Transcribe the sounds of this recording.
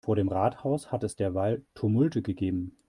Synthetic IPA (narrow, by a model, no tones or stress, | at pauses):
foːɐɾeːmʁaːthaʊshatɛsd̥eːɐvaltʰumʊltəɡəɡeːbm̩